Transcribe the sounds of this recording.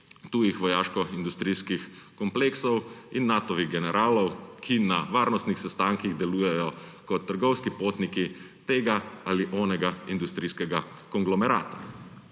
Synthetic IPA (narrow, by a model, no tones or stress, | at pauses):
t̪uːjixʋɔjaːʃkɔind̪ust̪ɾiːskix | kɔmpleːksɔwinːat̪ɔʋiɣɡɛnɛɾʔaːlɔwkʰinaʋaːɾnɔst̪nixsɛst̪aŋkiɣd̪ɛluːjɛjɔkɔt̪ːəɾɡɔwskipoːt̪niki | t̪eːɡaaliʔɔːnɛɡaind̪ust̪ɾiːskɛɡakɔŋɡlɔmɛɾa̰ːt̪a